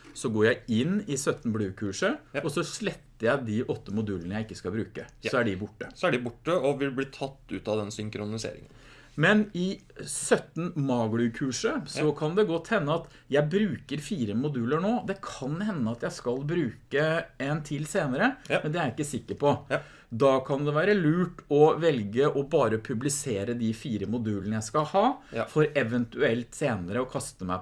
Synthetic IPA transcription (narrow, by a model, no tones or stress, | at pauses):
sɔɡoːɾjæɪɪnɪsœt̪n̩blʉːkʰʉːʂəɔsɔʂlɛt̪ːəɾjæɪd̪iʔɔt̪ːəmʊd̪ʉːlənəjæɪɪkːəskɑbɾʉːkəsɔæɖɪbʊʈːəsæɖɪbʊʈːəɔʋɪlb̪iːt̪ʰɑt̪ːʉːt̪ɑʋd̪ɛnsʏŋkɾʊnɪsḛːɾɪ̰ŋə̰n | mɛnɪsœt̪ːn̩mɑːɡlʉkʰʉːʂəsɔkʰɑnd̪ɛɡɔt̪ːhɛnːəɑt̪ | jæɪbɾʉːkəɾfiːɾəmʊd̪ʉːləɳoːd̪ɛkʰɑnhɛnːəɑt̪jæɪskɑlbɾʉːkəɛnt̪ʰɪlːseːnəɾəmmɛnd̪ɛæɾɪkːəsɪkːəɾpɔ | d̪ɑkʰɑnd̪ɛʋæːɾəlʉːʈɔʋɛlɡəʔɔbɑːɾəpʰʉblɪseːɾəd̪ifiːɾəmʊd̪ʉːlənəjæɪskɑhɑːfɔɾɛʋənt̪ʉɛlt̪seːnəɾəɔkʰɑst̪əmæ̰ɪp